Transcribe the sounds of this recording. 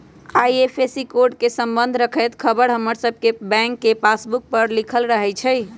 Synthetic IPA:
ajepʰesikoɾɖkesəmbənd̪ʱɾəkʰəjt̪kʰəbəɾɦəməɾsəbʱkebɛ̃ŋkːepasbuk̚pəɾlikʰəlɾəɦɛjt͡ʃʰɛj

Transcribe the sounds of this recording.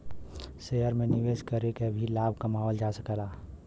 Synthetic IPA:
sejəɾmẽniʋeːskəɾekebʱilaːbʱkamaɦɔld͡ʒasəkɛla

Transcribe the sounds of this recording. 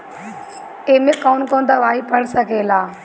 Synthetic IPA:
emẽkɔːnkoːnd̪aʋaːɦipɐɽsɐɡʱeːlaː

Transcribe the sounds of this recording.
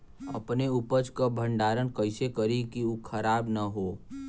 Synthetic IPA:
ə̰pneupəd͡ʒkabʱə̃ɳɖaːɾənkəɪsekəɾikiukʰəɾaːbnəɦoː

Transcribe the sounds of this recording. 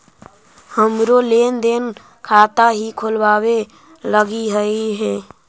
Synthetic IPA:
həmɾoleːnd̪eːn | kʰaːt̪aɦikʰolwaːwe | ləɡiɦəiɦɛ̃ː

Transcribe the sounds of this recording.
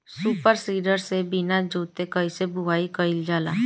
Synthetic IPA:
suːpəɾsiːɖəɾsebinad͡ʒoːt̪ekəisebʱʊʋaːikəɪld͡ʒaːlaː

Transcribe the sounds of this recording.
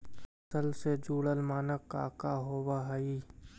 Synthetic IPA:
səlsed͡ʒuːɽəlmaːnəkːa̰ːkaɦoːwaɦɐiː

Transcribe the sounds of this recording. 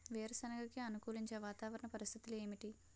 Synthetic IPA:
ʋeːɾɐsɐnɐɡɐkiɐnukuːliɲt͡ʃeːʋaːt̪aːʋɐɾɐɳɐpɐɾist̪ʰit̪uleːmiʈi

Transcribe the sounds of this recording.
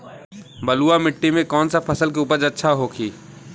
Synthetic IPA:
bɐluamɪʈːimẽkɔːnsapʰɐsəlk̬euːpəɾd͡ʒɐtːʃʰaɦokʰiː

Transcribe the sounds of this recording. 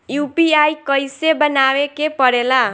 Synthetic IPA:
jupiajkʌjsebənawekepʌɾela

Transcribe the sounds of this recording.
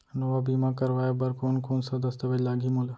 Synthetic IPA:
noʋabiːmãkəɾʋaːjebəɾkoːnkoːnsad̪ɐst̪əʋelaːɡʱiːmola

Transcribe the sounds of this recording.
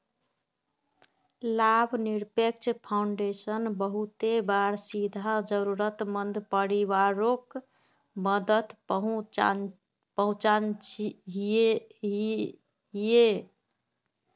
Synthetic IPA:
labʱniɾpek̚t͡ʃʰpʰauɳɖesənbəɦut̪ebaɾsid̪ʱad͡ʒəɾuɾət̪mənd̪ʱpəɾiʋaɾok | məd̪ət̪ɦ | pəɦũt͡ʃanɦɦ | ɦije

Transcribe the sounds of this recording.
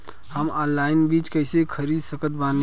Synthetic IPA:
həmɔːnlaːɪnbiːt͡ʃkəɪsekʰəɾiːd̪səkət̪̚baːn

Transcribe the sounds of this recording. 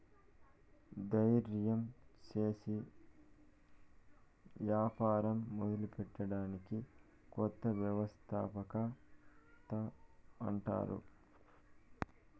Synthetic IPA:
d̪ɐjɾjɐmt͡ʃeːsi | ʋjaːpaːɾɐmːod̪ɐlupɛʈːɐɽaːniki | kɔt̪ːɐʋjɐʋɐst̪ʰaːpɐkɐ | t̪ɐː | ɳʈa̰ːɾṵ

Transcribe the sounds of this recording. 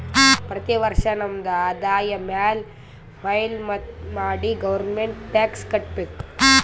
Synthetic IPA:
pɾɐt̪iʋɐɾʂɐnɐmːɐd̪ɐaːd̪aːjɐmaːl | mɐjlmɐmaːɽiɡɐʋɐɾnmeɳʈʈaːkskɐʈpik

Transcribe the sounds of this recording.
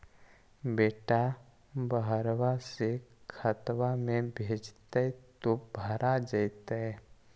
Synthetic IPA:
beːʈa | bəɦɾwasekʰət̪ʋamẽbʱeːd͡ʒt̪əit̪obʱəɾad͡ʒət̪aɛ

